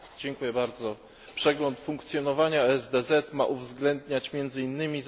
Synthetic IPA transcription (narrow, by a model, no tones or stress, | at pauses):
d͡ʑɛŋkujɛbaɾd̪zɔ | pʂɛɡlɔnt̪fuŋkt̪sʲjɔnɔvaɲaɛzd̪ɛzɛt̪ma̰ʔuvzɡlɛnd̪ɲat͡ɕmʲjɛnd̪zɘinːɘmʲiz